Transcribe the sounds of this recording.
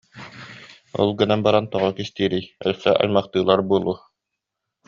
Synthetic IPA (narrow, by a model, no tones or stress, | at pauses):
ɔ̰lˠɡɯnanbaɾant̪ɔʁɔkist̪iːɾijœ̰lsɛʔa̰jmɑχt̪ɯːlˠaɾbuːlˠuː